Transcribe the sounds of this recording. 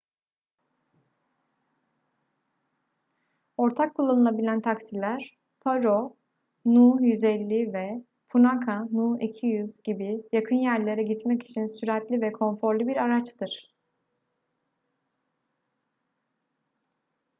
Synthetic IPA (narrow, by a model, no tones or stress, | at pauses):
o̞ɾt̪ʰakʰːulˠːanɯlˠabilʲænt̪ʰaksilʲæɾ̥ | pʰaɾo | nuːjyzɛlʲːivɛ | pʰunakʰanuicʰijyzɟibijakʰɯnjæɾlʲe̞ɾɛɟit̪mɛci̥t͡ʃʰinsyɾɛt̪lʲivɛkʰo̞nfo̞ɾlʲˠbiɾaɾat͡ʃt̪ɯɾ̥